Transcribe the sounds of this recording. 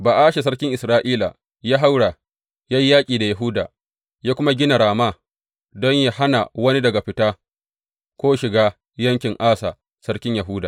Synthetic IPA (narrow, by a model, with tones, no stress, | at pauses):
baː˨ʔaː˦ʃe˨s̬ɐ˦ɽkʲɪ˦ŋʔɪ˨sɾaː˦ʔiː˦la̰˨ | jaː˦ɦa˦wɽa˨ | jaː˦ji˦jaː˦kʲʼiː˨da˨ja˨ɦʊ˦da̰ː˨ | jaː˦kʷʊ˦ma˦ɡʲɪ˦na˨ɾaː˨maː˦˨ | dɔ˦ɲja˦ha˦na̰˨wɐ˦ni˦dɐ˨ɡa˨ɸɪ˦taː˦ | kʷoː˦ʃɪ˨ɡaː˦ | jɐ˦ŋkʲɪ˨ŋʔaː˦sa̰˨ | sɐ˦ɽkʲɪ˦ɲjɐ˨ɦʊ˦daː˨